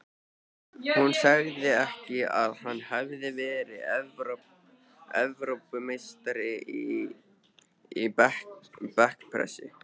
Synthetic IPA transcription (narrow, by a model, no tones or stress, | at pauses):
hunsaɣðɪɛhcɪaðhanːhavðɪvɛːɾɪvɾ | ɛ̰vɾowpʏmejst̪aɾɪi | i | pɛhkpʰɾɛ̰sɪ̰